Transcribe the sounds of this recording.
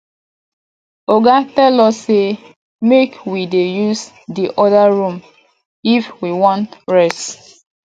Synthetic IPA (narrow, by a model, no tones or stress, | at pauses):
oɡatɛlɔsːe | mekwidejus | diʔɔdaɹũm | ifwiwɔ̃ntɹɛst